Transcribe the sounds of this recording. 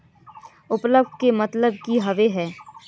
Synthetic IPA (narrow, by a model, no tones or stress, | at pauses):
ʊpləbɖkemɐt̪ləb̚kiɦɐʋeɦɛː